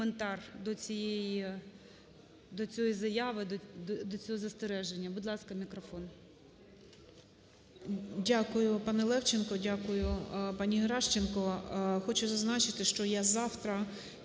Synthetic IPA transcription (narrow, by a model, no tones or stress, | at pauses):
kɔment̪ɑrd̪ɔt͡sʲijeji | d̪ɔt͡sʲɔjizɐjaʋɪd̪d̪d̪ɔt͡sʲɔɦɔzɐst̪eɾɛʒenʲːɐbʊd̪lˠɑskɐmʲikɾɔfɔn | dʲakʊjʊpɑnɛlˠɛwt͡ʃenkɔdʲakʊjʊpɑnʲiɦɾɑʃt͡ʃenkɔxɔt͡ʃʊzɐznɑt͡ʃɪt̪ɪʃt͡ʃɔjazɑwt̪ɾɐ